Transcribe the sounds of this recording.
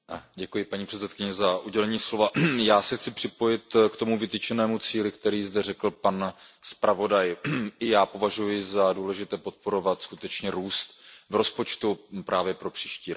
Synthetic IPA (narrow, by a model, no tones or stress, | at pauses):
ɟɛkujɪpaɲiːpr̥ɛt͡sɛt̪kɪɲɛzaʔuɟɛlɛɲiːslo̞vajaːsɛxt͡sɪpr̥ɪpo̞jɪt̪kt̪o̞muvɪt̪it͡ʃɛnɛːmut͡siːlɪkt̪ɛɾiːzdɛrɛkl̩panspɾʔavo̞dajʔɪjaːpo̞vaʒujɪzaduːlɛʒɪt̪ɛːpo̞t̪̚po̞ɾo̞vat̪skut̪ɛt͡ʃɲɛɾuːst̪vɾo̞spo̞t͡ʃt̪upɾʔaːvjɛpɾo̞pr̝̥iːʃciːɾok